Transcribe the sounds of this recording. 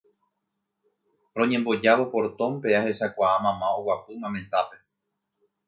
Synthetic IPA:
ɾõ̞ɲẽ̞mbo̞d͡ʒaβopo̞ɾt̪õ̞mpe̞ahe̞ʃakʷaamãmãowapɨmãmẽ̞sape̞

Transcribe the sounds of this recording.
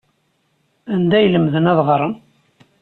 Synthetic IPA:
ænd̪æjləmðənæðʁɾˤən

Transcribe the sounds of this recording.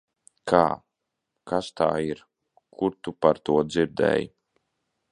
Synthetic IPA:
kʰaː | kast̪a̰ːiɾ | kʰuɾt̪upaɾt̪uɔd̪ziɾd̪ɛ̰ːj

